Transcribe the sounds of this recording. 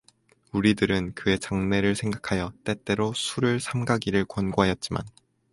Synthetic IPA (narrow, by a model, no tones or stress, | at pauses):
uɾidɯɾɯnkɯe̞t͡ɕaŋne̞ɾɯɭsʰe̞ŋɡakʰajʌt͈e̞t͈e̞ɾosʰuɾɯɭsʰamɡaɡiɾɯɭkwʌnɡoɦajʌt̚t͡ɕ͈ima̰n